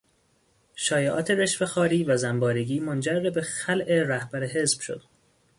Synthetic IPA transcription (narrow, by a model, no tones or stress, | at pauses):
ʃɒːjeʔɒːt̪ʰe̞ɾeʃfexɒːɾiːvæzæmbɒːɾiɡiːmond͡ʒærːebexælʔeɾæhb̥æɾeɦe̞zb̥ʃo̰d̪̥̚